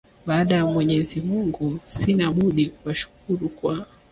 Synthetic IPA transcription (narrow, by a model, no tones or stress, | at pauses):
ɓaːɗajamwɛɲɛzimuŋɡusinaɓuɗikuwaʃu̥k̚uɾukwa